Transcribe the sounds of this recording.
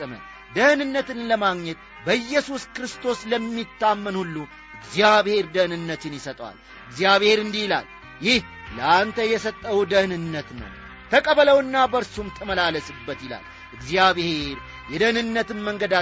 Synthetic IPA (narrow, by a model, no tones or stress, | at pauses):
sʼɨmə̰ | d̪əhnɨnːət̪ɨnləmaɡɲət̪̚ | bəjːɛsuskɾɨst̪ʰo̞sləmːit̪ʰːamːənhulːu | ʔɨɡzijaβhe̞ɾd̪ənɨnːət̪ɨnjɪsət̪ʼwa̰l | ɨɡzijaβhe̞ɾɨnd̪ihla̰l | jɪh | ləant̪ʰəjɛsət̪ʼːəwd̪əhnɨnːət̪nə̰w | t̪ʰəkʼəβələwɨnːabəɾsumt̪ʰəməlaləsɨbːət̪jɪla̰l | ʔɨɡzjaβhe̞ɾ | jɛd̪əhnɨnːət̪ɨmːəŋɡəd̪a